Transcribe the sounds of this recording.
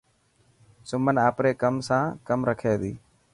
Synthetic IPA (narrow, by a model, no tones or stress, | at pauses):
sʊmənaːpɾeːkəmsãːkəmɾəkʰeːd̪iː